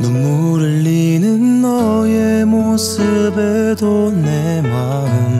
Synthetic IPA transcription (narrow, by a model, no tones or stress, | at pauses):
numːu | ɾɯɭːinɯnːʌ | jemosɯbe | d̪one | ma | ɯn